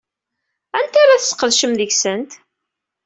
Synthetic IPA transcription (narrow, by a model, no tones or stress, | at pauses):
ænt̪aɾaθə̥sqːəðʃəmðəʝsənt̪